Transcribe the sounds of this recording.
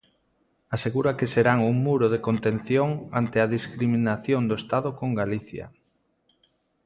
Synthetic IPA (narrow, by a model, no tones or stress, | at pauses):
aseɣuɾakeseɾaŋuŋmuɾoðekont̪ẽn̟θjoŋa̰nt̪eaðiskɾiminaθjond̪oest̪aðokoŋɡaliθja̰